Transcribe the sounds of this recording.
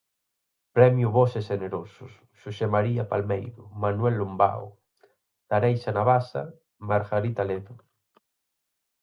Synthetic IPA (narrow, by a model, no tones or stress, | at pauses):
pɾɛmjuβoseseneɾosʊs | ʃusemaɾiapalmejðʊmanwɛlːomba̰o̰ | t̪aɾejsanaβasa̰ | maɾɣaɾit̪aleðʊ